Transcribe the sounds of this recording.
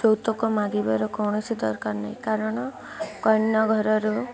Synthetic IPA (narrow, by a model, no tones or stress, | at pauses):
t͡ʃɔwt̪ɔkɔmaɡibɔɾɔkɔwɳ̃ɔsid̪ɔ̰ɾkaɾnaɦj̃kaɾɔɽ̃ɔ | kɔjnːɔɡʱɔɾɔɾu